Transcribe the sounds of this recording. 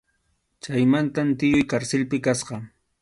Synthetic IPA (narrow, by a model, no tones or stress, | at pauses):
t͡ʃajmant̪amt̪ɪjʊjkaɾsɪlpɪkasɢɑ